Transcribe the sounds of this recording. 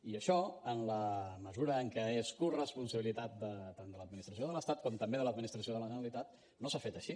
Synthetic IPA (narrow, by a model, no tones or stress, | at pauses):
iəʃɔənləməzuɾəːŋkɛeskurəspunsəβilit̪at̪̚d̪ət̪and̪ələd̪minist̪ɾəsioðələst̪at̪̚kɔmt̪əmbeðələd̪minist̪ɾəs̬ioðələʒənəlit̪at̪̚ | nosafet̪əʃi